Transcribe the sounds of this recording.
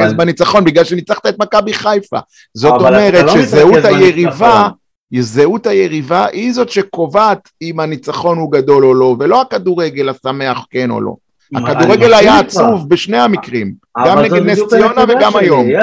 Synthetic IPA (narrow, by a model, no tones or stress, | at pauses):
esbanit͡saχo̞nbiɡlalʃenit͡saχt̪aet̪makabiχajfa̰ | zo̞t̪o̞meʁet̪ʃezeut̪hajeʁiva | zeut̪hajeʁivaʔizo̞tʃeko̞vat̪imanit͡saχo̞nhuɡad̪o̞lolo̞ve̞lo̞akad̪uʁeɡe̞lasame̞aχke̞no̰lo̞̰ | a̰kaduʁeɡe̞lajaːt͡suvbeʃne̞hamikʁim | ɡamneɡed̪nestio̞naveɡamajo̞m